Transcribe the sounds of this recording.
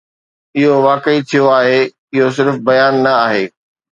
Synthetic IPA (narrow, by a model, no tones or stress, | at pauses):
ɪɦoʋaːkəit̪ʰijoaːɦe | ɪɦos̬ɪɾfbɐjaːnːɐaːɦeː